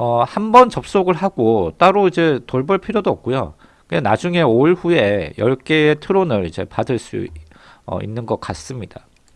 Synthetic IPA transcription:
ʌhambʌnt͡ɕʌp̚s͈oɡɯɭɦaɡ̥ot͈aɾoid͡ʑe̞toɭbʌɭpʰiɾjodoʌk̚k͈ojo̰ | kɯenad͡ʑuŋe̞oɭɸue̞jʌɭk͈eːtʰɯɾonɯɾid͡ʑe̞̰padɯɭs͈ṵ | ʌ̰ḭnːɯnɡʌk͈as͈ɯmɲid̥a

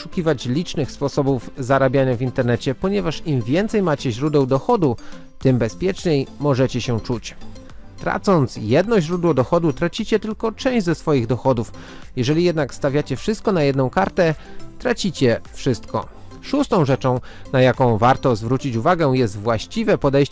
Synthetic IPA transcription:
ʂukʲivat͡ɕlʲit͡ʂnɘxspɔsɔbuvzaɾabʲjaɲavʲint̪ɛɾnɛt͡ɕɛpɔɲɛvaʂimvʲjɛnt̪sɛjmat͡ɕɛʑɾud̪ɛwd̪ɔxɔd̪u | t̪ɘmbɛspʲjɛt͡ʂɲejmɔʐɛt͡ɕɛɕɛt͡ʂut͡ɕ | t̪ɾa̰t̪sɔnt̪sjɛd̪nɔʑɾud̪wɔd̪ɔxɔd̪ut̪ɾat͡ɕit͡ɕɛt̪ɘlkɔt͡ʂɛ̃w̃ʑd͡ʑʲzɛsfɔjiɣd̪ɔxɔd̪uf | jɛʐɛlʲijɛd̪nakst̪avʲjat͡ɕɛfʂɘst̪̚kɔnajɛd̪nɔ̃w̃kaɾt̪ɛt̪ɾat͡ɕit͡ɕɛfʂɘst̪kɔ̰ | ʂust̪ɔ̃w̃ʐɛt͡ʂɔ̃w̃najakɔ̃w̃vaɾt̪ɔzvɾut͡ɕit͡ɕuvaɡɛjɛst̪vwaɕt͡ɕivɛpɔd̪ɛjɕt͡ɕ

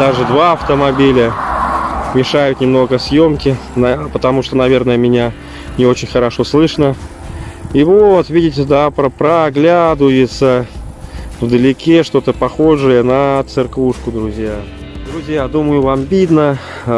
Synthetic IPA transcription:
d̪aʐɨd̪vaɐft̪əmɐbʲilʲə | mʲɪʂajʊt̪nʲɪmno̞ɡəsʲjo̞mkʲɪnpət̪ɐmuʂt̪onɐvʲe̞rnəjəmʲɪnʲa | nʲɪo̞t͡ɕɪnʲxəɾɐʂo̞slˠɨʂnə | ivot̪vʲidʲɪtʲɪd̪apɾəpɾəɡlʲad̪ʊjɪt̪sə | vd̪əlʲɪkʲeʂt̪o̞t̪əpɐxo̞ʐɨjənət̪sɨrkuʂkʊd̪ɾʊzʲja | d̪ɾʊzʲjad̪uməjʊvambʲid̪nə

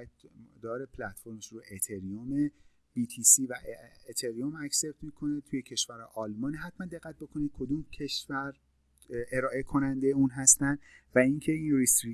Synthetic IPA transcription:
d̪ɒːɾepʰlæt̪foɾmeʃɾuʔet̪ʰeɾiome | bit̪ʰisiːvæʔet̪ʰeɾiomæcse̞p̚t̪mikʰo̞net̪ʰujecʰe̞ʃv̥æɾɒ̰ʔɒːlmɒːniɦæt̪mænd̪e̞ɣːæt̪̚bo̞kʰo̞nid̪̚kʰo̞d̪uːmkcʰe̞ʃvæɾ | e̞ɾɒːʔe̞kʰo̞nænd̪ejeuːnɦæst̪ænd̪væiŋcʰe̞iːnrist̪ɾi

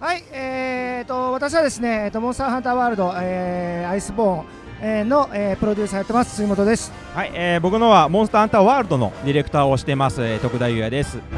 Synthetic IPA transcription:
haiet̪o̞βat̪aɕ̬iβad̪e̞sɨne̞ːt̪ːo̞mõst̪aɦãnt̪aːβaːɾɯ̟d̪o̞eaisɨbõ̞ːŋ | eno̞ʔeːpɯ̟ɾo̞dʲɨːsajat̪ːemasɨ̥sɨimo̞t̪o̞d̪e̞sɨ̥ | haieːbo̞kɯ̟noβamõsɨ̥t̪ahãnt̪aβaːɾɯd̪o̞no̞̰d̪ʲiɾe̞kɯ̟t̪aːo̞ɕi̥t̪e̞masɨet̪o̞kɯ̟d̪aijɯjad̪e̞sɨ

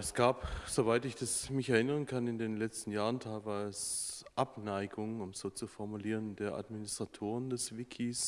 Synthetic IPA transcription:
ɛsɡ̥aːpz̥ovaɪtɪçd̥asmɪçɛɐɪnəʁənkʰanɪndeːnlɛt͡stn̩jaːʁəntʰaɪlvaːɐɛsʔapnaɪɡʊŋənʊmz̥oːt͡sufɔɐmuliːʁ̞əndeːɐʔa̰dminɪstʁ̥atʰoːʁəndɛsv̥ɪkʰis

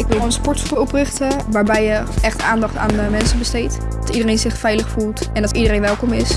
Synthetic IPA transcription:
ɪkʋɪlnspɔɹtfɔprɪχtəʋaːɹbɛjəɛχtaːndɑχta̰ːnəmɛnsəbəstejt | d̥ɑtidərejnzɪχfɛjləχfulˠtɛndɑtidərejnʋɛlˠkɔmɪs

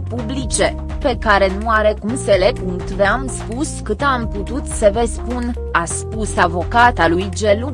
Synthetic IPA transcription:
publit͡ʃe̞ | pe̞kaɾe̞nuaɾe̞kumselekuŋt̪veamspuskɨt̪amput̪ut̪səvespun | aspusavo̞kat̪alujd͡ʒelu

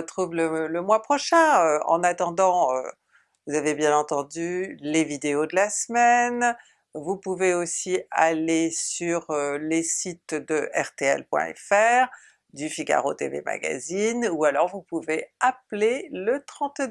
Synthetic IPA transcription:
ət̪χuvlələmwapχɔʃɛ̃øɑ̰̃nat̪ɑ̃d̪ɑ̃ø̰ | vuzavebjɛ̃nɑ̃t̪ɑ̃d̪ylevid̪eod̪əlasmɛn | vupuveosia̰lesyʁølesit̪d̪əʔɛʁt̪eɛ̰lpwɛ̰̃ɛ̰fɛʁ | d̪yfiɡa̰ʁo̰t̪ḛvḛma̰ɡa̰zinualɔʁvupuveaplelət̪χɑ̃t̪

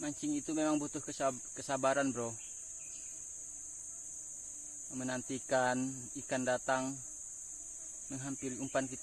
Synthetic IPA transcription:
maɲt͡ʃiŋit̪umemaŋbut̪ʊhkə | kəsabaɾanbɾɔ | mənant̪ikan | ikandat̪aŋ | məŋɦampiɾiumpankit̪

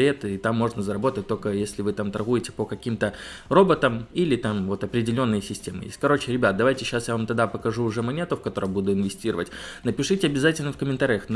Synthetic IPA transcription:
ɾʲet̪it̪amːo̞ʐnəzəɾɐbo̞t̪ət̚ʲt̪o̞lʲkəjesʲlʲɪvɨt̪amt̪ɐrɣujɪtʲɪ̥pəkɐkʲimt̪ə | ro̞bət̪əmilʲɪt̪amvo̞t̪ɐpɾʲɪdʲɪlʲo̞nːɨjəsʲɪsʲtʲemɨ̰jḛsʲkɐɾo̞t͡ɕɪɾʲɪbʲat̪̚d̪ɐvajtʲɪɕːasjavamt̪ɐd̪apəkɐʐuːʐɛmɐnʲe̞t̪ʊfkɐt̪o̞ɾəjbud̪ʊɪnvʲɪsʲtʲiɾəvə̰tʲnəpʲɪʂɨtʲɪɐbʲɪzatʲɪlʲnəfkəmʲɪnt̪aɾʲɪjəxn

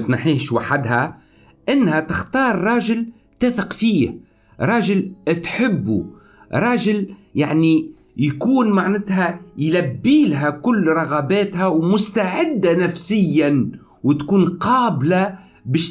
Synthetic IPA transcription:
t̪nħiːʃwaħad̪ɦæ | ʔɪnːhæt̪ɪxt̪ɑːɾːˤɑːʒɪl | t̪æːθɪqfiːh | ɾˤɑːʒɪlt̪ħɪbːṵ | ɾˤɑːʒɪl | jaʕni | jkuːnmaʕnɪt̪ɦæjlæbːiːlɦækʊlːɾˤɑɣɑbɛːt̪hæwmʊst̪aʕɪd̪ːanæfsɪjːæn | wt̪kuːnqɑːbla | bɛːʃ

